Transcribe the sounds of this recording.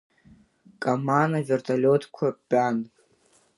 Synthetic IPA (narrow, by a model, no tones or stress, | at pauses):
kʼamanavʲertʰalʲotʰkʷʰabʲʼan